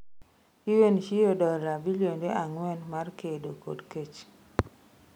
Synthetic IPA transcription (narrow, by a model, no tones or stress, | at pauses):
iwenʃijodɔlɾabiljondeʔaŋwɛnmarkedoko̰dket͡ʃ